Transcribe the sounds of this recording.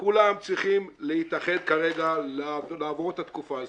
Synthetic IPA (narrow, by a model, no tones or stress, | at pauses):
kulamt͡sʁiχimlehit̪aχe̞d̪̚kaʁe̞ɡallaːvoʁet̪at̪kufaːz